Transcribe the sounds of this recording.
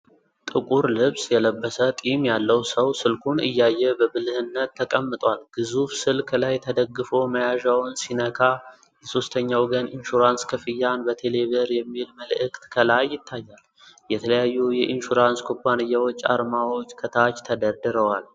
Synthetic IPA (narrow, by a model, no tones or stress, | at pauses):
t̪ʼɨkʼuɾlɨβsjɛləbːəsət̪ʼimjalːəwsəwsɨlkʰunɨjːajːɛbəbɨlɨhɨnːət̪ːəkʼəmːɨt̪ʼwalɡ̥ɨzufsɨlkʰlajt̪ʰəd̪əɡːɨfo̞məjaʒawnsinəkʰa | jɛso̞st̪ʰəɲːawɡənʔinʃuɾanskʰɨfɨjːanbət̪ʰe̞le̞βəɾjɛmːilməlʔɨkt̪kʰəlajːɪt̪ʰːajːal | jɛt̪ʰələjajːujɛʔinʃuɾanskʰobanɨjːawo̞t͡ʃːa̰ɾmawo̞t͡ʃːkʰət̪ʰat͡ʃt̪ʰəd̪əɾd̪ɨɾəwal